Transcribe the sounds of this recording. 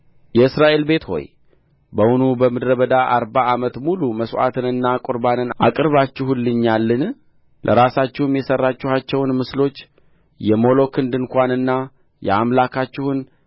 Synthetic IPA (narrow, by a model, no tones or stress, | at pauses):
jɛɨsɾaʔe̞lbe̞t̪ho̞̰j | bəwʊnubəmɨd̪ɾəβəd̪aʔaɾbaːmət̪muluməsʔa̰t̪ʰɨnɨnːakʼʊɾbanɨnʔakʼɨɾβat͡ʃːɪɦulːɨɲːalːɨn | lʔə̰ɾasat͡ʃːɪhɨmjɛsərːat͡ʃːɪhat͡ʃːɛwnmɨslo̞t͡ʃː | jɛmo̞lo̞kʰɨnd̪ɨŋkʷanɨnːa | jɛ̰amlakʰat͡ʃːɪhʊn